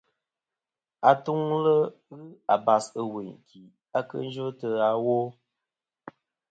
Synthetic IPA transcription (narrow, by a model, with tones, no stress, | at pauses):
a˨tu˦ŋlə˦ | ɣɨ˦a˨ba˨sə˨we˨ɲki˨ | a˦kə̰˦n̩˦d͡ʒə˦tə˦a˦wo˦